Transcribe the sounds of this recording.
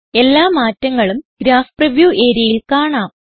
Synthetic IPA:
e̞lːaːmaːtːɐŋːɐɭumɡ̥ɾaːfprɐʋjuːʔe̞ːɾjɐjilkaːɳaːm

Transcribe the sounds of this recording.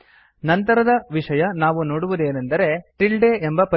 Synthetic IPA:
nɐnt̪ɐɾɐd̪ɐʋiʂɐjɐnaːʋuno̞ːɽuʋud̪e̞ːnend̪ɐɾe̞ʈiɭɖe̞ʔembɐpɐ

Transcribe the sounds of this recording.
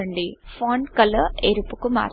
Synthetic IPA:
ɐɳɖifaːɳɖkɐlɐʔeɾupːukuma̰ːɾ

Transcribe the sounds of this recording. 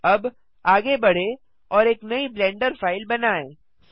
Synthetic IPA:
ɐb | aːɡebɐɽ̤e | ɔːɾeːknɐiblɛ̃ːɳɖəɾfaːɪlbɐnaːẽː

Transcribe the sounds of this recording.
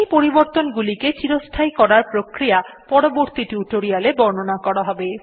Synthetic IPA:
jpoɾiboɾt̪onɡuliket͡ɕiɾost̪ʰajkɔɾaɾpɾokɾijapɔɽoboɾt̪iʈuʈoɾialebɔɾnonakɔɽaɦɔbe

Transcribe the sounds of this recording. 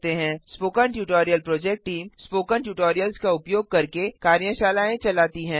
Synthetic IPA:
t̪eɦɛ̃ːspoːkənʈjuːʈoːɾijəlpɾoːd͡ʒɛk̚ʈʈːiːmspoːkəɳʈjuːʈoːɾijəlskaʊpjoːɡ̚kɐɾkekaːɾjə̃ʃaːlaːẽt͡ʃɐlaːt̪iɦɛ̃ː

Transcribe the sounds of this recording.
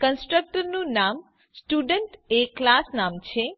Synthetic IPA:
kənsʈɾək̚ʈəɾnũnam | sʈuɖəɳʈeklasnamt͡ʃʰe

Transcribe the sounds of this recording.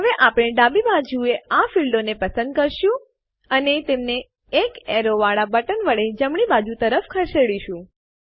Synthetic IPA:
ɦəʋeʔapɽ̃eɖabibad͡ʒueafilɖonepəsə̃nd̪̚kəɾʃũ | ənet̪emneː | kɛɾoʋaɭabəʈənʋəɭed͡ʒəmɳ̃ibad͡ʒut̪əɾəfkʰəɾʃeɽiʃũ

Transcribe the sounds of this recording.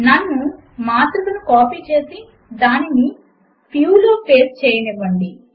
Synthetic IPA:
nɐnːu | maːt̪ɾulɐnukaːpiːt͡ʃe̞ːsi | d̪aːnini | pʰjuːlo̞ːpʰe̞ːst͡ʃɛːjɐliʋɐɳɖi

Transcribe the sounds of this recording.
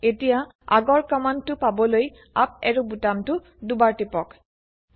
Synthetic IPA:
etija | a̰ɡɔɹkamantʊpabɔloj | a̰p̚ɛɹubutamtʊ | dubaɹtipɔk

